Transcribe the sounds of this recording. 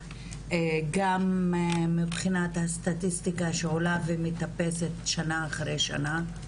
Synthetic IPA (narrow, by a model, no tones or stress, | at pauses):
eɡamemibχinathast̪atistikaʃeolavemit̪ape̞setʃanaːχʁejʃa̰na